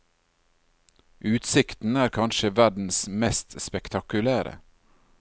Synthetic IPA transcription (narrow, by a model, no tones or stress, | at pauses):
ʔʉːt̪sɪkt̪n̩æːɾkʰɑnʃəʋæɖn̩smɛst̪spɛkt̪ʰɑkʉlæːɾə̰